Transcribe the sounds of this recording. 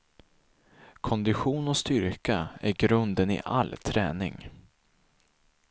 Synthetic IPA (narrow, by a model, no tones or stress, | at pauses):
kʰɔnd̪ɪɧuːnɔst̪ʏɾkaæɾɡɾɵnd̪ənɪ̰ʔa̰lt̪ʰɾɛːnɪ̰ŋ